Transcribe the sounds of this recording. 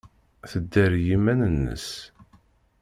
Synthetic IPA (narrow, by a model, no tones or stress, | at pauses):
θəd̪ːæɾjimænənːə̰s